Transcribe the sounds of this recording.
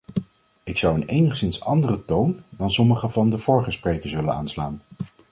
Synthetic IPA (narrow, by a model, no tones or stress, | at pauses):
ɪksʌwənejnəχsɪnsɑndərətowndɑnsɔməχəvɑndəv̥ʊːɹχəsprejkəɹsʋʏləna̰ːnslaːn